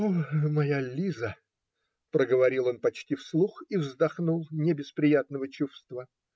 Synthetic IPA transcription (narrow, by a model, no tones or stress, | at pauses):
omɐjalʲizə | pɾəɡəvɐɾʲilˠo̞npɐt͡ɕtʲifslˠuxivzd̪ɐxnulˠnʲɪbʲɪspɾʲɪjat̪nəvət͡ɕufst̪və